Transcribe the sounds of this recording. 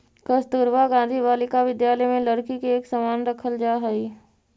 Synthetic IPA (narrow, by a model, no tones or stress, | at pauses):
kəst̪uːɾʋaɡãːnd̪ʱibaːlɪkaʋɪd̪jaːləjmẽlɐɾkikeːksɐmaːnɾɐkʰəld͡ʒaːɦəiː